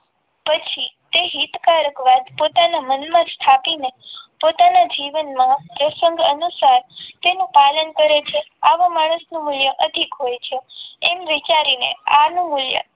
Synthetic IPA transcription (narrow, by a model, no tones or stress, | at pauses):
pət͡ʃʰit̪eɦit̪kaɾəkʋad̪pot̪anamənmãst̪ʰapinepot̪anad͡ʒiʋənmãpɾəsəŋɡənusaɾt̪enũpalənkəɾet͡ʃʰeaʋomaɽ̃əsnũmuljəʔəd̪ʱikɦojt͡ʃʰeemʋit͡ʃaɾinḛanũmuljə̰